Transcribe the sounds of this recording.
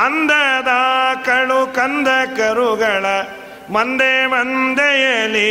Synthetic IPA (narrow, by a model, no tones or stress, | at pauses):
ɐnd̪ɐd̪aːkɐɭukɐnd̪ɐkɐɾuɡɐɭɐ | mɐnd̪emɐnd̪ejeːli